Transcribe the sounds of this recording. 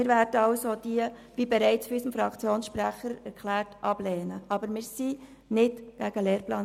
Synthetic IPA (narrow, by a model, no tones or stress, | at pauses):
mɪːɾvæːɾd̥əɑʊsod̥iəvibɛɾæɪt͡sfɾysəmfɾɑkt͡sjoːnsʃpɾæχəɾɛɾkʰlæːrtʔɑb̥lɛːnəɑbəɾmɪːɾsi | nɪdɡ̥æɡəleːɾplɑː